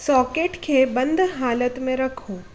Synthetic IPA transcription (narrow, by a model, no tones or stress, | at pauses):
sɔːkeːʈkʰeːbɐ̃nd̪ʱɦaːlət̪mẽɾɐkʰũː